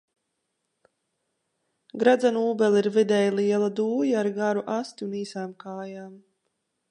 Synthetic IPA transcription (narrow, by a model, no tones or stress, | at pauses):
ɡɾad̪zanuːbɛlˠiɾvid̪ɛjlˠiɛlˠad̪uːjaːɾɡaɾuʔast̪iuniːsaːmkaːjaːm